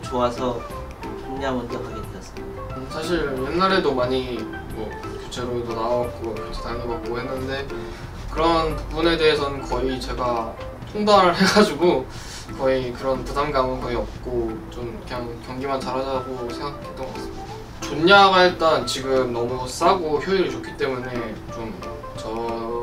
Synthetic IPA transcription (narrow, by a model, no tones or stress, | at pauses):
t͡ɕoasʰʌ | oɲːamontabaɡeteʌs͈ɯ | sʰaɕʰiɾje̞nːaɾe̞domaɲi | mʌkut͡ɕʰe̞ɾodonaʌk͈okut͡ɕʰedaŋebak̚k͈ːoɦenːɯnde̞ | kɯɾʌnpubune̞de̞ɦesʰʌnɯnkʌit͡ɕe̞ɡa | tʰoŋbaɾɯɭɦe̞ɡad͡ʑiɡo | kʌikɯɾʌnpudamɡamɯnkʌiʌp̚k͈ot͡ɕomkɯɲaŋkjʌŋɡimant͡ɕaɾad͡ʑaɡosʰe̞ŋɡak͈ʰe̥t͈ʌas͈ɯʌ | t͡ɕoɲːaɡaɦe̞t̚t͈ʌnt͡ɕiɡɯmnʌmus͈aɡoçjoiɾɯɭt͡ɕokʰi̥t͈e̞mune̞t͡ɕom | t͡ɕʌ